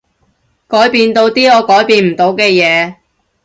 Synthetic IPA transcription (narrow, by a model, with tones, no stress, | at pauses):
kɔː˨˥jpiː˧nt̪o˧wt̪iː˥ɔː˨˧kɔː˨˥jpiː˧nm̩˨˩t̪o˨˧wkɛː˧jɛː˨˧